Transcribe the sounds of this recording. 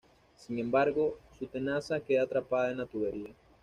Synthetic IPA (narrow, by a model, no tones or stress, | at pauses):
siŋe̞mbaɾɣo̞sut̪e̞nasake̞ðat̪ɾapaðaðenat̪uβeɾia